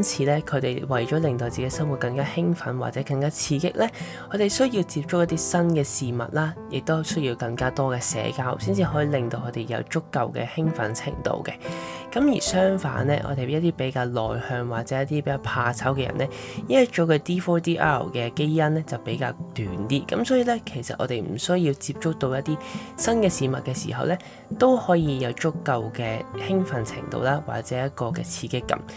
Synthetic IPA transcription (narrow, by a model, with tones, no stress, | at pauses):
nt͡sʰiː˨˧lɛː˥kʰɵ˨˧t̪e˨˩jwɐ˨˩jt͡ʃɔː˨˥lɪ˨ŋt̪o˧wt͡si˨ke˧˥sɐ˥mwu˨t̚kɐ˧ŋkaː˥hɪ˥ŋfɐ˨˥nwa̰ː˨t͡sɛː˨˧˥kɐ˧ŋkaː˥t͡sʰiː˨˧kɪ˥k̚lɛː˥ | kʰɔː˨˧t̪e˨˩jsɵ˥ji˧wt͡siː˧p̚t͡ʃʊ˥k̚jɐ˥t̪iː˥sɐ˥nkɛː˧siː˨mɐ̰˨t̚laː˥jɪ˨k̚t̪o˥sɵ˥ɥjiː˧wkɐ˧ŋkaː˥t̪ɔː˥kɛː˧sɛ̰ː˨˥kaː˧˥wsiː˥nt͡siː˧ɦɔː˨˥jiː˨˧lɪ˨ŋt̪o˧wkʰɵ˨˧˥t̪e˨jɐ̰˨˧wt͡sʊ˥kːɐ˨˧wkɛ̰ː˧hɪ˥ŋfɐ̰˨˥nt͡sʰɪ̰˨˩ŋt̪o̰˧wkɛ̰˧ | kɐ˨˥mjiː˨˩sœː˥ŋfa̰ː˨˥nɛː˥ʔɔ̰ː˧t̪e˨jjɐ˥t̪iː˥pe˨˥jkaː˧wlɔ̰ː˨˩jhœː˧ŋwaː˨˩k̚t͡sɛː˨˦jɐ˥t̪ːiː˥pe˨˧˦jkaː˧pʰaː˧t͡sʰɐ˨˥wkɛː˧jɐ̰˨˩nʔɛ˥ | ji˥ɐ˥k̚t͡ʃoː˨˥kɵ˧t̪iː˥fɔː˥t̪iː˥ʔa̰ː˥˨˩kɛː˧ke˥jɐ˥nlɛ˥t͡sɐ˨wpe˨˥jkaː˧wt̪yː˨nt̪iː˥kɐ˨˧˥msɔː˨˥jiː˨˧lɛː˥kʰe˨˩jsɐ̰˨t̚ʔɔ̰ː˨˧t̪e˨jm̩˨˩sɵ˥ji˧wt͡siː˧p̚t͡ʃʊ˥k̚t̪o˧wjɐ˥t̚t̪ːiː˥sɐ˥nkɛː˧siː˨˧mɐ˨t̚kɛː˧sḭː˨˩ɦɐ˨wlɛː˥ | t̪o˥whɔː˨˥jiː˧jɐ˨˧wt͡sʊ˥kːɐ˧wkɛː˧hɪ˥ŋfɐ˨˧˥nt͡sʰɪ̰˨˩ŋt̪o̰˧wlaː˥wa̰ː˨˩k̚t͡sɛː˨˦jɐ˥t̚kɔː˧kɛː˧t͡sʰiː˧kɪ˥kːɐ̰˧˥m